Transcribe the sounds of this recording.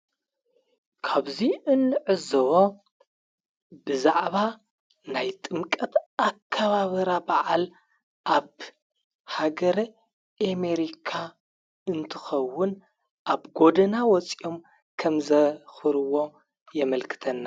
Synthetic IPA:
kʰaβziʔɨnːɨʕɨzɨwo | bɨzaʕβa | najt̪ʼɨmkʼɐt̪akʰːaβaβɐɾabaʕal | ʔaβ | haɡɐɾɐ | ʔameɾikʰa | ɨnt̪ʰɨxɐwːʊn | ʔaβɡo̞d̪ɐnawɔt͡sʼio̞m | kʰɐmzɐxɨɾɨwo̞ | jɛmɐlkʰɨ̥t̪ʰɐnːa

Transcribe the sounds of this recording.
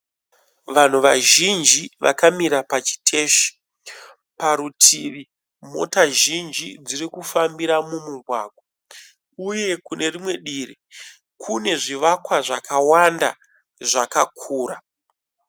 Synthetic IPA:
ʋan̤uʋaʒind͡ʒiʋʔa̰kamiɾapat͡ʃi̥tʰe̞ːʃi̥ | paɾutʰiʋi | mo̞̰taʒind͡ʒid͡zirikufambiɾamumuɡʱwa̰ɡʱwa | uje̞kune̞rimwe̞ɗiri | kʰune̞ʐiʋakwaʐakawanda̰ | ʐakakʰuːra

